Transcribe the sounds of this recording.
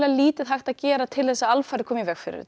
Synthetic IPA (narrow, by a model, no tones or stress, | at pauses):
laliːt̪ɪðɦajxt̪aðcɛːɾat̪ʰɪlθɛsːaalfaɾkʰɔːmjvɛxfɪ̰ɾɪ̰